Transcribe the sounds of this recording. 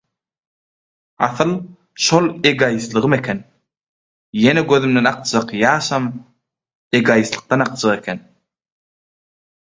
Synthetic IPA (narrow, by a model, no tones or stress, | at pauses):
ɑ̰θɯlˠ | ʃolˠeɡɑjɯθlˠɯʁɯme̞kʰen | jeneɡøðymd̪enɑqd͡ʒɑqjɑːʃɑm | e̞ɡɑjisθlˠɯ̥q̚t̪ɑnɑq̚d͡ʒɑʁe̞kʰen